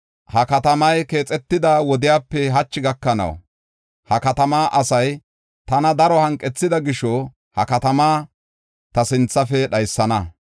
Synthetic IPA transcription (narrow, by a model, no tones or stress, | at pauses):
hɐkɐt̪ɐmɐjke̞ːt͡sʼɛt̪ːɪd̪awɔd̪ɪjaːpːɛɦɐt͡ʃːɪɡɐkːɐnɐ̰w | hɐkɐt̪ɐmaːʔɐsɐj | t̪ɐnɐd̪ɐɾɔhɐŋkʼːɛt͡sːɪd̪ɐɡɪʃɔ | hɐkɐt̪ɐmaː | t̪ɐsɪnt͡sːɐfɛɗɐjsːɐnɐ